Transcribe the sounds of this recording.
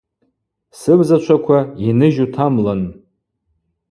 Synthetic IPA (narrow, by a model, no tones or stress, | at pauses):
sɨbzat͡ʃʷʰakʷʰainɨʒutʰamlan